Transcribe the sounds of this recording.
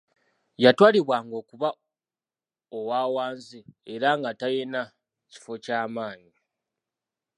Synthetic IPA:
jatwaːliβwaːŋɡo̞ːkuβa | owaːwaːnzieɾaŋɡatajena | ci̥fo̞caːmaːɲi

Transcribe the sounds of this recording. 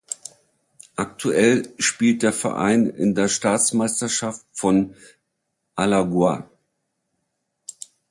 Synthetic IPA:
ʔaktʰuʔɛlʃpiːlt̚d̥eːɐfɛ̰ɐʔa̰ɪnɪ̰ndeːɐʃtaːt͡smaɪstɐʃaftfɔn | ʔalaɡwa̰

